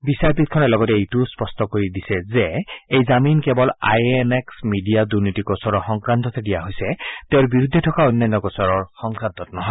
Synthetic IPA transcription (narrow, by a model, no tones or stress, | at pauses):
bisaɹpit̪̚kʰɔnɛlɔɡɔtɛejtuspɔstɔkoɹidisɛzɛejzaminkɛbɔla̰jɛnɛksmidijaduɹnitikɔsɔɹɔɹxɔŋkɹant̪ɔt̪ʰedijaɦojsɛteʊɹbiɹud̪ʱːɛtʰɔkaonːanːɔkɔsɔɹɔɹxɔŋkɹant̪ɔtnɔɦɔ